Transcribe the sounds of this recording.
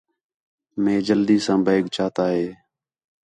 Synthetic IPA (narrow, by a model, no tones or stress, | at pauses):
mẽːd͡ʒəld̪iːsãːbʱaːɡt͡ʃaːt̪aːɦeː